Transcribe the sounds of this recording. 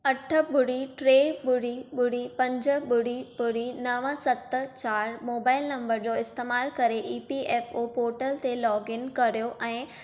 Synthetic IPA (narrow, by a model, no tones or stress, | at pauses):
ɐʈʰə̆ɓʊɽiʈɾeːɓʊɽ̤iɓʊɽ̤ipɐ̃ɲd͡ʑə̆ɓʊɽ̤ibʊɽ̤inɐʋəsɐt̪t͡ɕaːɾmoːbaːɪlnɐ̃mbəɾd͡ʑoɪst̪eːmaːlkɐɾeʔiːpieːfoːpoːɾʈəlt̪elɔːɡɪnkɐɾijoʔɛ̃ː